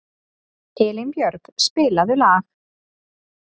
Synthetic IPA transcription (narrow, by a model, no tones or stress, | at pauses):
hɪːlɪnpjœɾkspɪːlaðʏlaːɣ